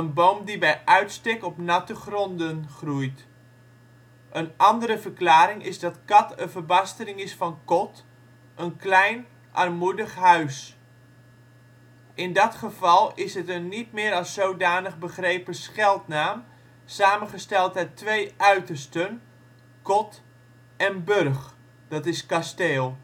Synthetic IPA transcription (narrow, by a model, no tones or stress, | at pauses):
ənbowmdibɛjʔœɥtstɪkɔpnɑtəχrɔndənχrujt | ʔənʔɑndəɾəvərklaːɾɪŋɪzdɑtkɑtənvərbɑstərɪŋɪsfɑnkɔt | ʔənklɛjn | ʔɑ̰rmudəχɦœɥs | ʔɪndɑtχəvɑlˠɪsɦətənːit̚mɪːɾɑsowdaːnəχbəχrejpəsχɛlˠtnaːm | saːmənχəstɛlˠtɛtʋejʔœɥtərstən | kɔt | ɛnbɵrχ | d̥ɑtɪskasteːlˠ